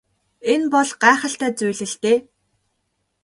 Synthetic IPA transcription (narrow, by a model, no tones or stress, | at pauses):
enpɔɮɢaːχə̆ɬt̪æːt͡sujɮɘ̆ɬt̪eː